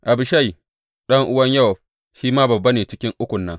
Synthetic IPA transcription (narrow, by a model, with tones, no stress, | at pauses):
ʔa˨bɪ˨ʃa˦˨j | ɗɐ˦ŋʔʊ˦wɐ˦ɲjɐ˦˨w | ʃiː˦maː˦bɐ˨bːɐ˦neː˨t͡ʃɪ˦kʲɪ˦ŋʔʊ˦kʷʊ˨nːɐ˦ŋ